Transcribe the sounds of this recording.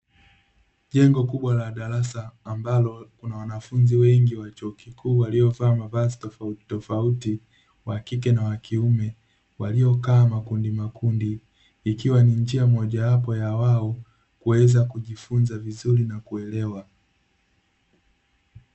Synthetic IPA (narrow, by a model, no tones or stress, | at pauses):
ʄɛŋɡɔkuɓwalaɗaɾasaːmbalɔkunawanafunziwɛŋɡiwat͡ʃɔːkikuːwaliɔvaːmavazitɔftɔfauti | wakikɛnawakʰiumɛ | waliɔkaːmakundimakundiː | kiwanind͡ʒiamɔʄawapɔjawaɔ | kuɛzakuʄifunzavizuɾinakuɛlɛwa